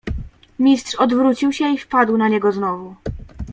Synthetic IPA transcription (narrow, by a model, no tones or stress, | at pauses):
mʲistʂɔd̪vɾut͡ɕiwɕɛifpad̪wnaɲɛɡɔznɔvu